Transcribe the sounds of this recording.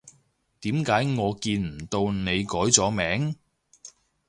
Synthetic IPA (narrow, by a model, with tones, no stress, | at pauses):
t̪iː˨˥mkaː˨˥jŋɔː˨˧kiː˧nm̩˨˩t̪o˧wne˨˧jkɔː˨˥jt͡sɔː˨˥mɛː˨˥ŋ